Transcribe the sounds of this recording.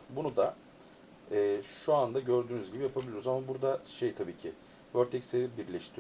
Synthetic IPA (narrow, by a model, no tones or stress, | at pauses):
bunud̪a | ɛːʃuand̪aɟø̞ɾd̪yːnyzɟibijapʰabilʲiɾzamabuɾd̪aʃejt̪ʰabiːcʰḭ | vøɾt̪ʰɛcseibiɾlʲɛʃt̪ʰi